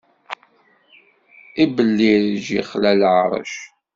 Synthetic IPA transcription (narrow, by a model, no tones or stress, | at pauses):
ibəlːiɾʒḭχlælʕɾˤə̰ʃ